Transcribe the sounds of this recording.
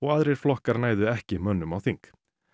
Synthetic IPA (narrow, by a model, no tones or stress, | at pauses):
ɔɣaðɾejɾ̥flɔhkaɾnaːjðʏɛhcɪmœnːʏmawθiŋk